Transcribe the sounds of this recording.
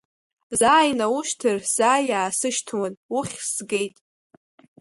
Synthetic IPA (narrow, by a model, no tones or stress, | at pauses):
zaːjnawuʃtʰɨrz̥aːjaːsɨʃtʰwanʊχʲsɡe̞jtʼ